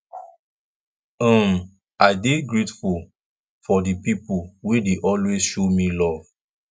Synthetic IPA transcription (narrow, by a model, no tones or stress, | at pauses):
ə̃m | aɪdeɡɹetful | fɔdipipulwedeʔɔlwezʃomĩlɔv̥